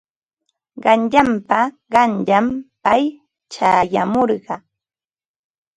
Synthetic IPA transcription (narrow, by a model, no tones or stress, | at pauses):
ɢɑnʎampa | ɢɑnʎampaj | t͡ʃaːjamoɾɢɑ